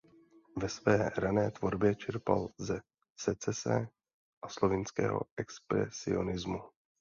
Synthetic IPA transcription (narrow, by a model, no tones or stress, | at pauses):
vɛsvɛːɾanɛːt̪vo̞ɾbjɛt͡ʃɛɾpalzɛ | sɛt͡sɛsɛ | ʔaslo̞vɪnskɛ̰ːɦo̰ʔɛkspɾɛ̰sɪ̰o̞̰nɪzmu